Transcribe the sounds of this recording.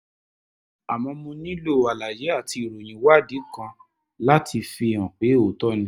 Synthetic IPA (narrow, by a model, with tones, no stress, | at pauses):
a˨mɔ̃˧mũ˧nĩ˦lo˦˨a˨la˨je˨˦a˦˨tʰi˧i˨ɾo˨j̃ĩ˨˦wa˦˨di˨˦kã˧ | la˦tʰi˧fĩ˧˨ã˨k͡pe˨˦o˨tɔ˦nĩ˧˦